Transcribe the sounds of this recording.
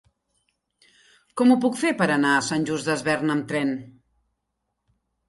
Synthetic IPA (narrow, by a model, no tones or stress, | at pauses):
kɔmupukfepəɾənaəsanʲʒuzdəzβɛrnəmt̪ɾɛn